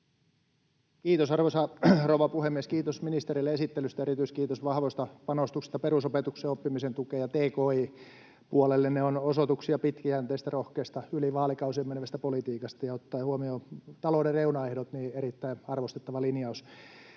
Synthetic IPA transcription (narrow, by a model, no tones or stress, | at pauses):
kiːt̪osɑrʋosɑrouʋɑpuhemːieskiːt̪osminist̪eɾilːeesit̪ːelyst̪æeɾit̪yiskiːt̪osʋɑhʋost̪ɑpɑnost̪ukse̥st̪ɑperusopet̪ukseopːimisent̪ukeːjɑt̪eːkoːiː | puolelːenneonosot̪uksiɑpit̪kiænt̪eist̪ærohkeːst̪ɑyliʋɑːlikɑusiemːenʋæst̪æpolit̪iːkɑst̪ɑjɑot̪ːɑːhuomiot̪ɑloːdereunɑehdot̪niːeɾit̪ːæiɑrʋost̪e̥t̪ːɑʋɑlinjɑus